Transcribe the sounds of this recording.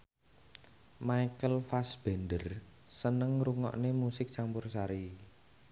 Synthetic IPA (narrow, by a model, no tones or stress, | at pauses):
maikəlfasb̥ɛ̤ndər | sənəŋɾuŋɔ̰ʔnemusɪk̚t͡ʃampʊrsaɾi